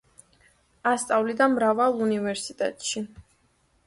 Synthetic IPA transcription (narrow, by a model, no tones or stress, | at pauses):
ast̪sʼavlid̪amɾavalˠunivɛɾsit̪ʼɛ̰t̪ʼʃi